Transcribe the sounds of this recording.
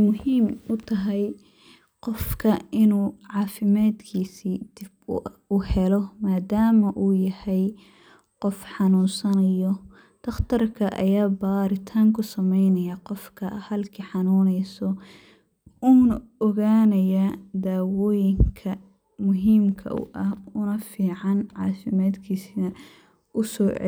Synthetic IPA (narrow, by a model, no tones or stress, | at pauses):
mʊɦiːmʊt̪ʰɐɦɛj | qɔfkʰɐʔɪnuːʕɑːfɪmaːd̪kʰiːsiːd̪̥ɪbʊhɛlɔmaːd̪aːmɐʔuːjɐhɛj | qɔfħɑnuːnsɐnɐjɔ | d̪̥ɐχt̪ʰɐrkʰɐʔɐ̰jaːbaːɾɪt̪ʰaːŋkʰʊsɐmɛjnɐjaqɔfkʰɐhɐlkʰiːħɑnuːnɛjsɔ | uːnɔɣaːnɐjɐd̪aːwɔːjɪŋkʰɐ | mʊɦiːmkʰɐ̰ʔʊ̰ʔɐhʊnɐfiːʕɑnʕɑ̰ːfɪmaːd̪kʰiːsinɐ | ʊsɔ̰ː